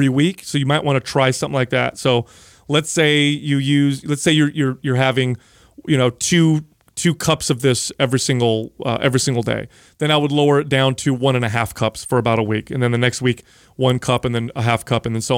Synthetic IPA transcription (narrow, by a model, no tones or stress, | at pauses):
ɹiwiksoʊjɨmaɪʔwɑ̃ñɨtʰɹ̥aɪsʌ̃mθɪ̃ŋlaɪk̚ðæ̰tsoʊ | lɨtseɪjɨjʉzlɨtseɪjə˞jə˞jə˞ɦævɪ̃ŋ | jɨñoʊtʰʉ | tʰʉkʰʌpsʌvðɪsɛvɹisɪ̃ŋɡl̩ˠʌ̰ʔɛvɹisɪ̃ŋɡl̩ˠdḛɪ | ðɨ̃ñaɪwədˡloʊə˞ɨt̚d̥ãʊ̃ntʰɨwʌ̃ñɨ̃nɨɦæfkʰʌpsfə˞ɨbaʊɾəwikɨ̃nðɨ̃nðɨnɛkst̚wik | wʌ̃nkʰʌpɨ̃nðɨ̃nə̰ɦæfkʰʌpɨ̃nðɨ̃nsoʊ